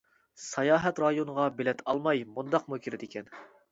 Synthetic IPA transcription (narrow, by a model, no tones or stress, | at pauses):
sɑjɑːɦɛt̪ɾɑjonəʁɑbelɛt̪ʰɑlˠmɑjmund̪ɑqmukʲʰiɾɪd̪ɪkʲɛn